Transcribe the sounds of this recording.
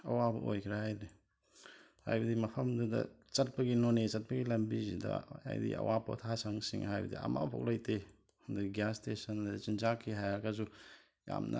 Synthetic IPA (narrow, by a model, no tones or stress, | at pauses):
ɐwabɐ̰ʔojkʰɾahajdi | ha̰jbɐdimɐpʰɐmdudɐ̰ | t͡ʃɐt̚pɐɡinonet͡ʃɐt̚pɐɡilɐmbizidɐ̰a̰jdḭɐ̰wapo̰tʰasaŋsiŋɦajbɐdḭa̰ma̰wpʰo̰k̚lajte | nduɡastesɐnladɐt͡ʃinzakʰiɦajaɾkazu | ja̰mnʔɐ̰